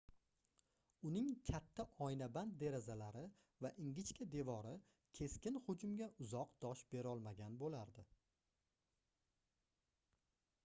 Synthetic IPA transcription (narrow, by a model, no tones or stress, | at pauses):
ʊnɪŋkʲʰat̪ʰːaʔɒjnaband̪̚d̪e̞ɾazalaɾɪ | vaʔɪŋɡʲɪt͡ʃkʲʰad̪e̞vɒɾɪ | kʲʰe̞skʲɪnhʊd͡ʒʊmɡʲaʔʊzɒqd̪̥ɒʃbe̞ɾɒlˠmaɡʲanbolaɾd̪ɪ